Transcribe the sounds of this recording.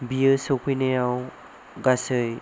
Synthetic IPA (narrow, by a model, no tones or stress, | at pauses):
bijɯsokʰɯjnejaw | ɡasɯj